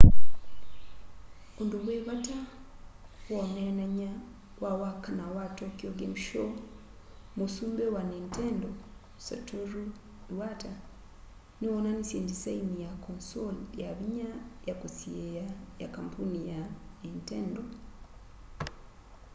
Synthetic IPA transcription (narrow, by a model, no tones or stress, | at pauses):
ondoβweβata | wwonenaɲa | wawakanawatokjoɡemiʃo | musuːmbewanenteːndo | sa̰toɾu | iwata | niwonanisḛːndisainijakonsoljaβiɲajakosiejajakampunijaenteːndo